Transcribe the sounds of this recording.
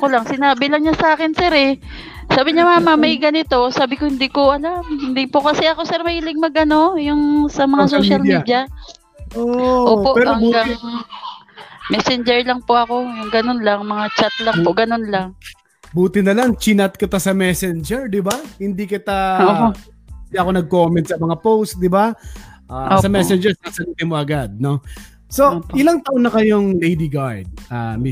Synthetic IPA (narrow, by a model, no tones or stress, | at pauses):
kolaŋsɪnaːbɪlɐŋɲasaːkɪnsɛɾɛ | saːbɪɲamaːmɐmɐjɡɐnɪt̪o̞saːbɪkohɪnd̪iːkoʔɐlamhɪnd̪iːpokɐsɛʔɐko̞sɛɾmɐʔiːlɪɡ̚mɐɡ̚ʔɐno̞jʊŋsɐmɐŋasoːʃalmid̪jɐ | oʔʔoːpo̞ʔhɐŋɡaŋ | mɛsɛnd͡ʒɛɹlɐŋpoʔɐko̞ɡɐnonlaŋmɐŋat͡ʃat̪̚lɐŋpoɡɐnonlaŋ | buːt̪ɪnɐlaŋt͡ʃinɐt̪̚kɪt̪asɐmɛsɛnd͡ʒɛɹd̪ɪbahɪnd̪ikɪt̪ao | ɪnd̪iʔɐko̞nɐɡ̚ko̞mɛnt̪̚sɐmɐŋapowst̪̚d̪ɪbaʔaːsɐmɛsɛnd͡ʒɛɾsɐsɐliːt̪ɪmo̞ʔɐɡad̪̚no̞ | so̞ʔɪlaŋt̪ɐʔonɐkɐjoŋlejd̪ɪɡaɹd̪̚ʔami